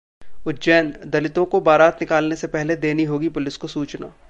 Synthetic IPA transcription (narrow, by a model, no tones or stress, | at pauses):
ʊt̪d͡ʒɛːnd̪ɐlɪt̪õkobaːɾaːt̪nɪkaːlnesepɛɦled̪eːniɦoːɡipʊlɪskosuːt͡ʃna̰ː